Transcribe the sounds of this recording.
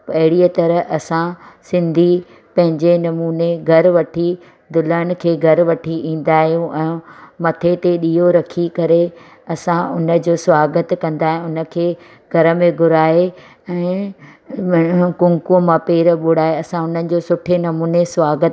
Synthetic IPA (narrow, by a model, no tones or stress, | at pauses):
pɐɦɪɽiət̪ɐɾəɦʔɐsãsɪ̃nd̪ʱi | pɐ̃ɦɪ̃ɲd͡ʑenɐmuːneɡʱɐɾʋɐʈʰi | d̪ʊləñɪ̆kʰeːɡʱɐɾʋɐʈʰiʔĩːn̆d̪aːɦijũʔɛ̃ːmɐt̪ʰet̪eɗiːoɾɐkʰikɐɾe | ɐsãʔʊnə̆d͡ʑoːsʋaːɡət̪kɐ̃nd̪aːɦɪ̃ʊnə̆kʰeː | ɡʱɐɾə̆mẽɡʱʊɾaːe | ɛ̃ː | kʊ̃ŋkũmãpeːɾəɓʊɽaːeɐsãʊn̤ənɪ̆d͡ʑoːsʊʈʰenɐmuːnesʋaːɡət̪